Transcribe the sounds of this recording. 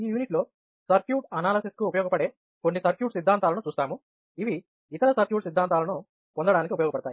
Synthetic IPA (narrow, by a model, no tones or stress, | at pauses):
iːjuːniʈlo̞ː | sɐɾkjuːʈɐnaːlɐsiskuːpɐjɔːɡɐpɐɽe̞ː | ko̞nːisɐɾkjuːʈsid̪ʱːaːnt̪aːlɐnut͡ʃuːst̪aːmu | iʋi | it̪ɐɭɐsɐɾkjuːʈsid̪ʱːaːnt̪aːlɐnu | pond̪ɐɽaːnikiupɐjɔːɡɐpɐɽɐt̪aːji